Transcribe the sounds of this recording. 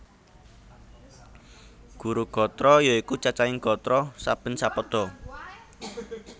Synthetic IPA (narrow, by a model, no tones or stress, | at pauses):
ɡ̥uɾuɡ̥ɔ̤t̪ɾɔjɔikut͡ʃat͡ʃaɪŋɡ̥ɔ̤t̪ɾɔsab̥ə̤nsapɔd̪̥ɔ